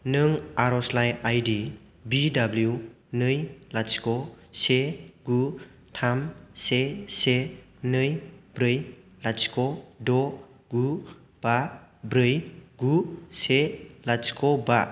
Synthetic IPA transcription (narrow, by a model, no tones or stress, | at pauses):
nɯŋaɾɔslajajdi | bidablju | nɯjlaskɔ | seɡu | tʰamsese | nɯjbɾɯj | laskɔdɔ | ɡu | b̥abɾɯjɡuselaskʰɔba